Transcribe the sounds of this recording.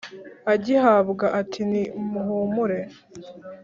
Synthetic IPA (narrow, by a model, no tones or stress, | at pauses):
aɟihaːbɡaʔatʰinimuɦumuɾe̞